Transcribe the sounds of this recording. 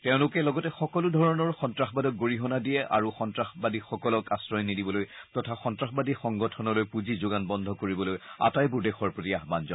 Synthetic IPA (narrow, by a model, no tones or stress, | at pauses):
teʊ̃lʊkɛlɔɡɔtɛxɔkɔlʊdʱɔɹɔnɔɹxɔntɹaxbadɔk̚ɡoɹiɦɔnadiɛʔa̰ɹuxɔntɹaxbadixɔkɔlɔkasɹɔjnidibɔlojtɔtʰaxɔntɹaxbadixɔŋɡɔtʰɔnɔlojpuzizʊɡanbɔndʱɔkoɹibɔloja̰tajbuɹdexɔɹpɹotiaɦbanzɔn